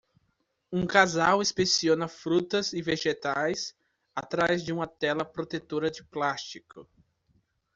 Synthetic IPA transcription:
ũkazawespesiõnɐfɾut̪ɐzɪveʒet̪ajs | at̪ɾajzd͡ʒɪũmɐt̪ɛlɐpɾot̪et̪oɾɐd͡ʒɪplast͡ʃikʊ

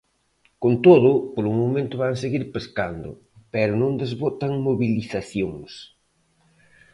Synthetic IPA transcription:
kont̪oðʊpoɾuŋmomẽnt̪ʊβaŋseɣiɾpeskand̪ʊ̰ | pɛɾʊnõnd̪ezβot̪aŋmoβiliθaθjoŋs

